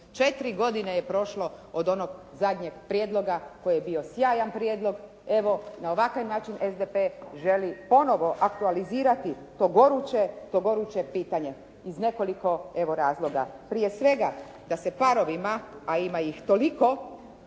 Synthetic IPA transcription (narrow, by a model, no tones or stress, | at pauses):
t͡ʃe̞t̪iɾiɡo̞d̪ineje̞pɾo̞ʃlo̞od̪o̞noɡzad̪ɲe̞ɡ̥pɾjeːd̪lˠo̞ɡako̞jjebio̞sjaːjanpɾjed̪lˠo̞ɡ | e̞ʋo̞naoʋakaʋnaːt͡ʃinʔezd̪epeʒe̞lipo̞no̞ʋo̞ʔakt̪ualiziːɾat̪i | t̪oɡo̞ɾut͡ʃet̪oɡo̞ɾut͡ʃe̞piːt̪aɲe̞ | izne̞ko̞liko̞e̞ʋo̞ɾaːzlˠo̞ɡa̰pɾije̞sʋe̞ɡa | d̪ase̞paɾo̞ʋimaaimajixt̪oliko̞